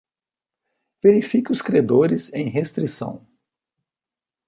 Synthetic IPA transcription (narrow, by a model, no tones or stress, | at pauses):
v̥eɾifikɪʊskɾed̪oɾɪzẽj̃ɦest̪ɾisɐ̰̃w̃